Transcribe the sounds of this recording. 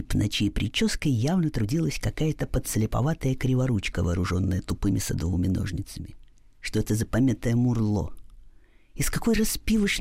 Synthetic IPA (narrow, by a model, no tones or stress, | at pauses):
pnʔɐt͡ɕipɾʲɪt͡ɕo̞skəjːavnət̪ɾʊdʲilˠəsʲkɐkajət̪əpət̪slʲɪpɐ̰vat̪əjəkɾʲɪvɐɾut͡ɕkəvɐ̰ːɾʊʐo̞nːəjət̪ʊpɨmʲɪsɐ̰d̪ovɨmʲɪno̞̰ʐnʲɪt̪səmʲɪ | ʂt̪oɛt̪əzəpɐmʲet̪əjəmʊrlˠo̞̰ | ɪskɐko̞jrɐspʲivəʂ